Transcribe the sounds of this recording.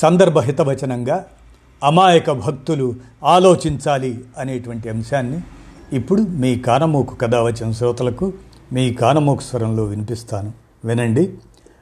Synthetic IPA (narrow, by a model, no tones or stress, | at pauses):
sɐnd̪ɐɾbʱɐɦit̪ɐʋɐt͡ʃɐnɐŋɡaː | ɐmaːjɐkɐbʱɐk̚t̪ulu | aːlo̞ːt͡ʃiɲt͡ʃaːliɐneːʈuʋɐɳʈiɐmɐʂaːnːiːpːuɽumiːkaːnɐmoːkʰu̥kɐd̪aːʋɐt͡ʃɐnɐs̬ɾɔːt̪ɐlɐkumiːkaːnɐmoːkʰɐ̥sʋɐɾɐmlo̞ːʋinipist̪aːnu | ʋinɐɳɖi